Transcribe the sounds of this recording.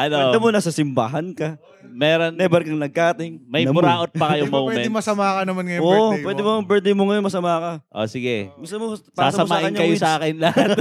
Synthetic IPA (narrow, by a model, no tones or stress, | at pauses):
ʔɐnoɐd̪ɐmonɐsɐsɪmba̰ːɦɐnkɐ | mɛɾonɛbɐɾkɐŋnɐɡ̚kaːt̪ɪŋmɐjɐmʊɾaːʔot̪̚pɐkɐjomɐuːwɛmɛɪmɐsɐmaːkɐnɐmanŋɐjooʔpwɛːd̪ɪmobɛɹd̪ɪmoŋɐjonmɐsɐmaːkɐʔo̰sɪɡɛmust̪ɐnmopaːaːsɐmɐmaːʔɪɐnɲːɐkɐjosɐaːkɪnlɐhat̪